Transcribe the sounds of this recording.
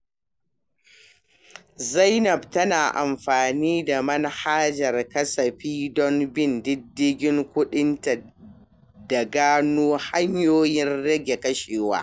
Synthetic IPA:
zɐ˦jnɐ˨btɐ˦naː˨ʔa˨mɸaː˨niː˦da˨mɐ˦nhaː˦d͡ʒɐ˨rkɐ˦sɐ˨ɸiː˦dɔ˦mbɪ˦˨ndɪ˦dːɪ˦ɡʲɪ˦ŋkʷʊ˦ɗɪ˦nta˨ | da˨ɡaː˦noː˦ha˦ɲjoː˦jɪ˦nɽɐ˦ɡʲe˨kɐ˦ʃeː˨wa̰ː˦

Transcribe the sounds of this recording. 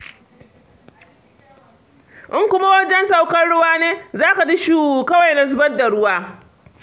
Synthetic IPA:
ʔɪ˦ŋkʷʊ˦ma˦wɐ˦d͡ʒɛ˦nsa˨wkɐ˦nɽʊ˦waː˦neː˦zaː˦ka˨d͡ʒi˦ʃuː˦u˨kɐ˦wa˨jna˨zʊ˦bɐ˦da˨ɽʊ˦waː˦

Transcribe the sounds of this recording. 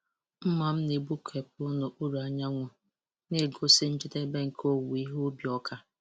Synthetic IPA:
m̩˦ma˨m̩˦ne˨bu˦kʰe˨p̚ʊ˦no˨ʔu˦ɾu˨a˨ɲa˦ŋʷʊ˨ | ne˦˨ɡo˨sɪ˦n̩˦t͡ʃɪ˦te˦be˦ŋ̩˨kʰo˦wi˦ɦo˦bi˨ɔ˦kʰa˦

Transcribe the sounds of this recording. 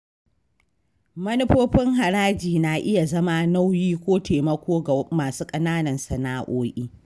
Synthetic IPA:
mɐ˦nɪ˦ɸoː˦ɸɪ˦ŋɦa˨ɾaː˦d͡ʒiː˨na˨ʔɪ˦ja˨zɐ˦ma˦na˦wjiː˦kʷoː˦teː˨mɐ˦kʷoː˦a˨maː˨suː˦kʼɐ˦naː˦nɐ˨nsɐ˨naː˦ʔoː˦ʔiː˦

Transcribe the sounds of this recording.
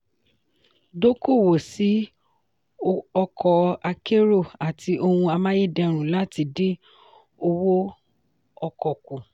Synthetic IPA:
do˦ko˦˨wo˨si˨˦ | ɔ˧kʰɔ˨a˧ke˦ɾo˦˨a˨tʰi˧˦ʔo˧hũ˧a˧mã˦je˦˨dɛ˧ɾ̃ũ˨la˦ti˧de˦ | o˧wo˦ | ɔ˧kɔ˨ku˨

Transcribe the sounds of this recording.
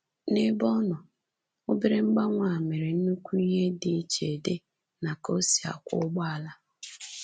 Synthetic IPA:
nɪ˦bɔ˦nɔ˨ | ʊ˦bi˦ɾɪ˦ŋ͡m̩˦ɡ͡ba˦ŋʷa˨me˨ɾe˨n̩˦nu˦kʷu˦i˦ɦe˦dɪ˨˦t͡ʃe˨de˦ | na˨ko˦si˨a̰˨kʷʊ̰˦ɡ͡ba˦˨la˦

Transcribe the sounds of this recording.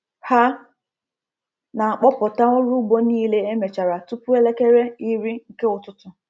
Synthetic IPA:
ha˦ | na˨a˨k͡pɔ˦pɔ˨ta˦ʊ˦ɾu˦ɡ͡bo˦niː˦le˦e˦me˨t͡ʃa˨ɾa˨tu˦pʊ˦e˦le˦ke˦ɾe˦i˦ɾi˦ŋ̩˦ke˦ʊ˨tʊ˦tʊ˨

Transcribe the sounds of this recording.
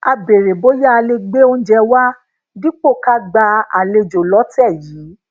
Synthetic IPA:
a˧be˨ɾe˨bo˦ja˦a˧le˧ɡ͡be˦o˦n̩˦d͡ʒɛ˧wa˦ | di˦k͡po˦˨ka˦ɡ͡ba˧a̰˨le˧d͡ʒo˨lɔ˨˦tɛ˦˨jiː˨˦

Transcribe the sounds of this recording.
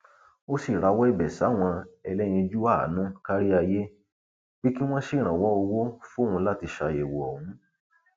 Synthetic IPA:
o˦si˨ɾa˧wɔ˦i˦˨bɛ˨sa˨˦˨w̃ɔ̃˧ɛ˧lɛ˦j̃ĩ˧d͡ʒu˦a˦˨˦nũ˦ka˦ɾi˦a˧je˦ | b̥i˦ki˦w̃ɔ̃˦ʃi˦˨ɾ̃ã˨wɔ˦o˧wo˦fu˦hũ˧la˦ti˧ʃa˧je˨wo˨ɔ˨hũ˨˦

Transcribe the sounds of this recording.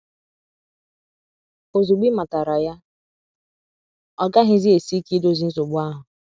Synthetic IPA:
o˨zu˨ɡ͡bi˦ma˨ta˨ɾa˨ja˦ | ɔ˦ɡa˦ɦɪ˦zi˦e˨si˦ki˦do˦˨zi˦n̩˦zo˨ɡ͡bʊ˦a˦ɦʊ˨

